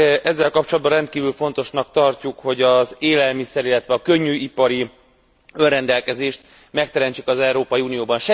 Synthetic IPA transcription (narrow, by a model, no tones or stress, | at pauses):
ʔɛzːɛlkɒpt͡ʃolɒd̪̚bɒrɛnt̪kiːvylfo̞n̪t̪o̞ʃnɒkt̪ɒrcukho̞ɟɒzeːlɛlmisɛɾilːɛt̪ʋɛɒkø̞ɲːyːipɒɾi | ø̞nrɛnd̪ɛlkɛzeːʃt̪ | mɛk̚t̪ɛɾɛnt͡ʃikɒzɛuɾoːpɒjiuːnijoːbɒnʃɛ